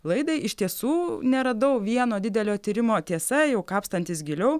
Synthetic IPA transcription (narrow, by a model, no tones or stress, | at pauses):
lˠɐɪd̪ɐɪʔɪʃt̪ʲiɛsuːnʲɛɾɐd̪ɐʊʋʲiɛnoːd̪ʲɪd̪ʲɛlʲoːt̪ʲiːɾʲɪmoːt̪ʲiɛsɐjɛʊkɑːpst̪ɐnʲt̪ʲɪsɡʲɪlʲɛʊ